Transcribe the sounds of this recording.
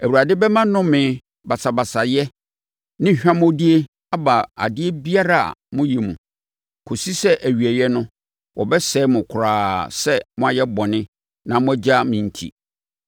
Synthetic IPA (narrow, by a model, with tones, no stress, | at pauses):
æ˨wu˨ɾa˨dɪ˦bɛ˦mã˦nʊ̃˦mɪ̃˨˦ | ba˨sa˨ba˨sa˨jɛ˦ | nɪ̃˦ɕᶣã˦mɔ̃˦di˦e˦ | a˦ba˨a̰˨dɪ˦e˦bi˦a˦ɾa̰˨mʊ̃˦ji˨mṵ̃˨ | kʰo˨si˦sɛ˦ʔæ˨ɥi˨ɛ˨jɛ˦nʊ̃˦ | wɔ˨bɛ˦sɛː˦mʊ̃˨kʰʊ˨ɾaː˨sɛ˦mʊ̃˦a˨jɛ˦bɔ˨nɪ̃˦ | nã˨mʊ̃˦æ˦d͡ʑa˦mĩ˨n̩˨tʰḭ˨